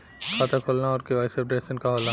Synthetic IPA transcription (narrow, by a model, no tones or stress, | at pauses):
kʰat̪akʰoːlnaɔːɾkeʋaːɪsefɖɾeːsənkaɦoːlna